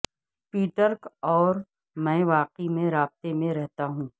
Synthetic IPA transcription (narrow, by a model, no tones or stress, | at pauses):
piːʈəɾkɔːɾ | mɛ̃ːʋaːqimẽɾaːb̚t̪emẽɾɛɦt̪aɦũː